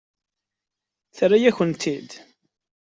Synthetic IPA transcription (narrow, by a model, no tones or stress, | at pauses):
θɾajæçənt̪ʰid̪